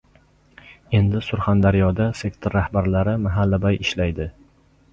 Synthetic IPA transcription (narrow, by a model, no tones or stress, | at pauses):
e̞nd̪ɪsʊɾχand̪aɾjɒd̪ase̞kt̪ʰoɾːahbaɾlaɾɪmaɦalːabajɪʃlajd̪ɪ